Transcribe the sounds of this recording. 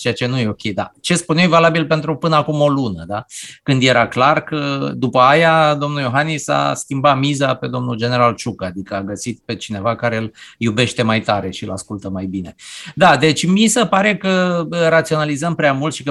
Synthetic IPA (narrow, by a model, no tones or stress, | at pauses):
t͡ʃeat͡ʃe̞nuje̞o̞kʲed̪a̰t͡ʃe̞spunewjvalabilpe̞nt̪ɾupɨnəakumo̞lunəd̪akɨnd̪je̞ɾaklarkəd̪upəajad̪o̞mnujo̞ɦanisa̰skʲimbatmizape̞d̪o̞mnuld͡ʒe̞ne̞ɾalt͡ʃukad̪ikəaɡəsit̪̚pe̞t͡ʃine̞vakaɾe̞ɨljube̞ʃt̪e̞majt̪aɾe̞ʃiɨla̰skult̪əmajbine̞d̪ad̪e̞t͡ʃʲmisəpaɾe̞kərat̪sio̞nalizəmpɾeamult̪ʃikə